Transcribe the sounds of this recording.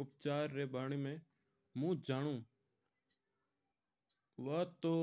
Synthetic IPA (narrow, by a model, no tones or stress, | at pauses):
ʊp̚t͡ʃaːɾːeːbaːɳ̃imẽː | mũːd͡ʒaːɽ̃ũː | ʋət̪oː